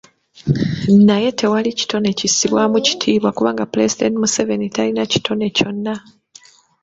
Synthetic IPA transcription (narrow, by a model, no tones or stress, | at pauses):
naje̞te̞walici̥to̞ne̞cisiβwamuci̥tʰiːβwakuβaːŋɡaplezid̪entimuse̞ve̞nitalinaci̥tʰo̞ne̞co̞nːa